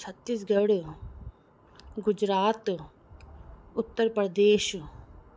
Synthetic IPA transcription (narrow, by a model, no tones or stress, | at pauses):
sʰɐt̪ːis̬ɡɐɽ | ɡʊd͡ʒɾaːt̪ | ʊt̪ːəɾpɐɾd̪eːʃ